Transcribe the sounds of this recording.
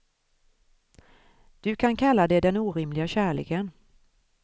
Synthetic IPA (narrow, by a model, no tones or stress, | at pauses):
d̪̥ɵkʰankʰalːad̪ɛd̪ɛnuːɾɪmlɪɡaɕæːɭḛːkən